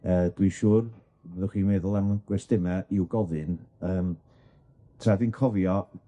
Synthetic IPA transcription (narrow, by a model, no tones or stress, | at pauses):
əːd̥wiʃuːr | bɛðəχwiːmɛðʊlˠɛwnɡ̥wɛsd̥ɪmɛʔiwɡɔðɨnəːm | tʰraðinkʰɔvjɔ